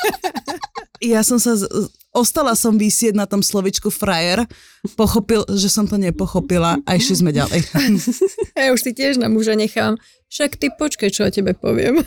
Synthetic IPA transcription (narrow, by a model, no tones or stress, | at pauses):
jasɔmsa | ɔst̪alasɔmʋisɪɛɟnat̪ɔmslɔʋit͡ʃkufɾajɛɾ | pɔxɔpilʒɛsɔmt̪ɔɲɛpɔxɔpilaʔaɛʃɛzmɛɟa̰lɛ̰j | jauʃsicɪɛʒnamuʒaɲɛxaːm | fʃakt̪ipɔt͡ʃkajt͡ʃɔɔcɛbɛpɔ̰ʋɪɛ̰m